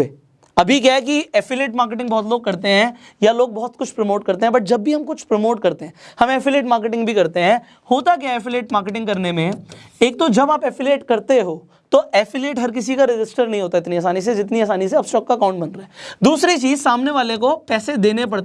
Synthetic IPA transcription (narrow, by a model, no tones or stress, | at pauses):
ɐbʱikjaɦk̬iɛːfɪleːʈmaːɾk̬eʈ̬ɪ̃ŋɡbɔɦːt̪̬loːɡ̚kɐɾt̪eɦɛ̃ | jaloːɡ̚bɔɦʊt̪kʊt͡ʃʰpɾɐmoːʈkɐɾt̪eɦɛ̃bɐʈ̚d͡ʒɐbːʱiɦɐmkʊt͡ʃʰpɾɐmoːʈkɐɾt̪eɦɛ̃hɐmɛːfɪleːʈmaːɾkeʈɪ̃ŋɡbʱikɐɾt̪eɦɛ̃ | hoːt̪ak̬jaɛːfɪleːʈmaːɾkeʈɪ̃ŋɡkɐɾnemẽeːk̚t̪od͡ʒɐbaːpɛːfɪleːʈkɐɾt̪eɦoː | t̪oɛːfɪleːʈɦɐɾk̬ɪs̬ikaɾɪd͡ʒɪsʈəɾnɐɦĩɦoːt̪aɪt̪niaːs̬aːnis̬ed͡ʒɪt̪̬niaːsaːniseɐbsʈɔːkːaɐkaʊ̃ɳʈ̚bɐ̃nɾaɦɛːd̪uːsɾit͡ʃiːzsaːmneʋaːlekopɛːsed̪eːnep̬ɐɽt̪e